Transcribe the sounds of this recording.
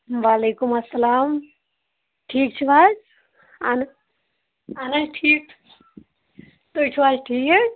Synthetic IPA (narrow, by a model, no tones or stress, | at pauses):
ʋaːleːkʊmɐsːɐlaːm | ʈʰiːk̚t͡ʃʰuʋaːd͡ʒ | an | aːnɐd͡ʒʈʰiːk | t̪ot͡ʃʰuʋaːd͡ʒʈʰiːkɛ